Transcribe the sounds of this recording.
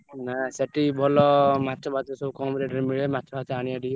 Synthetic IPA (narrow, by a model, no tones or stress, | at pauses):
naseʈibʱɔlɔmat̪t͡ʃɔbʱat̪ɔsɔbukɔmɾeɖɾimiɭemat̪ːt͡ʃɔbataɽ̃iaɖi